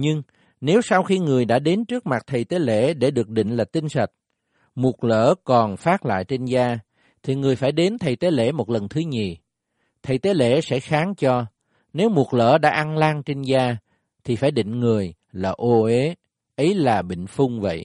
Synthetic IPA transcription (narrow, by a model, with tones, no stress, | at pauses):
ɲɨ˧ŋ | ne˨˦wsa˧wxi˧ŋɨ˨˩əjɗa̰ː˧˥ɗe˨˦nt͡ɕɨ˦˥k̚ma˨˩t̚t̪ʰə˨˩jt̪e˨˦lḛ˧˥ɗe˧˩ɗɨ˨˩ək̚ɗḭ̈˧˨ŋ̟laː˨˩t̪ï˧ŋ̟sə˨˩t̚ | mu˨˩ə˩k̚lə̰ː˧˥kɔ˨˩nfaː˦˥t̚la̰ː˧˨jt͡ɕe˧nzaː˧ | t̪ʰi˨˩ŋɨ˨˩əjfaː˧˩jɗe˨˦nt̪ʰə˨˩jt̪e˨˦lḛ˧˩mo˨˩t̚lə˨˩nt̪ʰɨ˨˦ɲi˨˩ | t̪ʰə˨˩jt̪e˨˦lḛ˧˥sɛ̰˧˥xaː˨˦ŋt͡ɕɔ˧ | ne˨˦wmu˨˩ək̚lə̰ː˧˥ɗa̰ː˧˥ʔa˧nlaː˧ŋt͡ɕe˧nzaː˧ | t̪ʰi˨˩faː˧˩jɗḭ˧˨ŋ̟ŋɨ˨˩əj | laː˨˩ʔo˧ʔe˨˦ | ʔə˨˦jlaː˨˩ɓḭ˧˨ŋ̟fʊ˧ŋ͡mvə̰˧˨jʔ